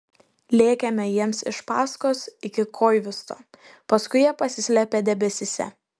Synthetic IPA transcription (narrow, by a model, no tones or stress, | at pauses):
lʲeːkʲɛmʲɛjiɛmsɪ̰ʃpɑːskoːsɪkʲɪkʰoːɪʋʲɪst̪o̰ː | pɐskʊɪjiɛpɐsʲɪsʲlʲɛpʲeːd̪ʲɛbʲɛsʲɪsʲɛ̰